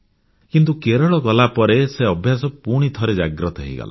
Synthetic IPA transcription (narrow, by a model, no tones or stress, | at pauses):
kint̪ukeɾɔɭɔɡɔlapɔɾeseɔbʱjasɔpuɽ̃it̪ʰɔɾed͡ʒaɡɾɔt̪ɔɦeḭɡɔ̰la̰